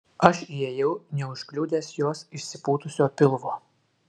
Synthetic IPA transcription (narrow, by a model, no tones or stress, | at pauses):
ɐʃieːjɛʊnʲɛʊʃʲklʲuːd̪ʲeːsjoɔsɪʃʲsʲɪpuːt̪ʊsʲoːpʲɪlˠʋoː